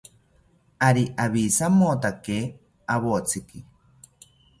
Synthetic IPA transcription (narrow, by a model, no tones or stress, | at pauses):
aɾiʔaβisamot̪ake | aβot͡siki